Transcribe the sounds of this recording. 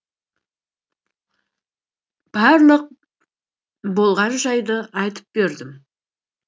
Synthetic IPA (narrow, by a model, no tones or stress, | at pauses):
b̥ɑɾlˠəq̚ | bo̞lˠʁɑnʒɑjd̪əɑjt̪ə̥p̚beɾd̪ɪm